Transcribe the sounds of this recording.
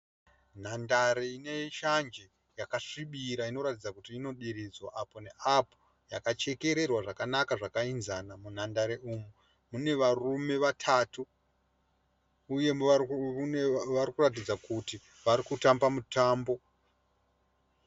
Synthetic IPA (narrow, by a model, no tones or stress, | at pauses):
n̤andaɾeine̞ʃand͡ʒe | jakaʂiɓiɾaino̞ɾatid͡zakutiːno̞ɗiɾid͡zwaʔapo̞ne̞ʔapo̥ | jakat͡ʃe̞ke̞ɾe̞rwaʐakanakaʐakainzanamun̤andaɾeuːmu | mune̞ʋarume̞ʋatʰaːtu | je̞ | ʋarikurat̬id͡zakuti | ʋaɾikutambamutaːmbo̞